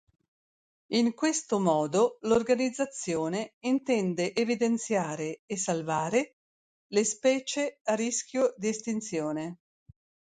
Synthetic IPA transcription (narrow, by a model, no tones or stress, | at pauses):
iŋkwest̪omɔːd̪olorɡanid̪zːat̪sːjoːneint̪ɛnd̪eʔevid̪ent̪sjaːɾeːsalvaːɾe | lespɛːt͡ʃearisk̟ʲjod̪iest̪int̪sjoːne